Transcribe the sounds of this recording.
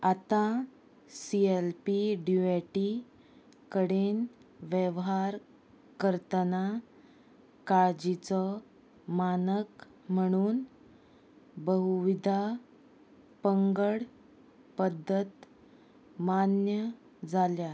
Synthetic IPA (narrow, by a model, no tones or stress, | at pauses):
at̪a | sielpiɖueʈi | kəɽenʋjeʋɦaɾ | kəɾt̪əna | kad͡ʑit͡sɔ | manək | m̤əɽ̃uːn | bəɦuʋid̪ʱa | pəŋɡəɽ | pəd̪ʱːət̪ | manjə | d͡zalja